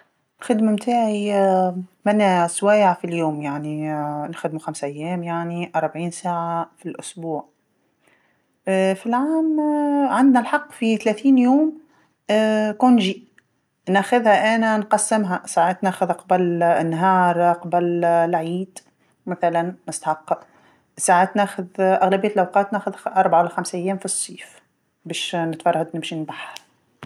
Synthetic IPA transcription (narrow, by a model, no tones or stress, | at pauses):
lxɪd̪mamt̪ʰaːʕi | manːaswaːjaʕfiljoːmjaʕninxʊd̪muxamsʔajːæːmjaʕniʔɑɾˤbʕiːnsaːʕafilʔʊsbuːʕ | filʕaːmʕɪnd̪nalħɑqːfit̪alæːθiːnjoːm | kʊnʒi | næxʊðhæʔæːnænqɑsːɪmɦæsaːʕaːt̪næːxʊðqɑbælɪnːɦɑːɾˤqɑbællʕiːd̪̥ | mɪθælænːɪst̪ħɑqːɑ | saːʕaːt̪næːxʊðʔaɣlæbɪjːæt̪lʔawqɑːt̪næːxʊðʔɑɾˤbaʕawɪlæxamsʔajːæːmfisˤːiːf | bæːʃnɪt̪fɑrˤːhad̪nɪmʃinbaħhæ